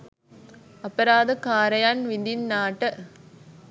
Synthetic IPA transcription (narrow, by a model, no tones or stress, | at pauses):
ɐpːɐɾaːd̪ɯkaːɾɐjaːnʋind̪inːaːʈːɐ